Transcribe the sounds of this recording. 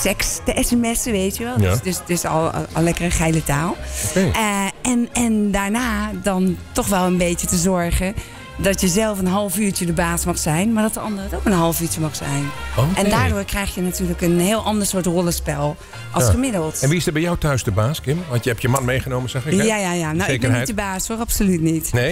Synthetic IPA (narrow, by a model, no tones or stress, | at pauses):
sɛkstəʔɛsɛmɛsəʋejtjəʋɛlˠsdøsdøsɔ̰lˠlːɛkərənxɛjlətaːlˠokeəɛnɛndaːɹnaːdɔntɔxʋɛlˠənbeːtjətəzɔɹɣə | dɔtjəzɛlˠfənɦɑlˠfyːɹt͡ʃədəbaːsmɔxsɛjnmaɹdɔt̚dəɑndərətowkənɦɑlˠfyət͡ʃəmɔxsɛ̰jnoɛndaːdʊəɹkrɛjxjənatyːləkənhɪːəlˠʔɑndəɹsoətrɔlˠəspɛlˠ | ʔɔxəmɪdəlˠtɛnʋiɪsdəbɛjɔwtœɥsdəbaːskɪmʋɑ̃ntjəɛptjəmanmejχənoːməzaxɪkjajajanowɪbitdəbaːsʋolapsolytnitne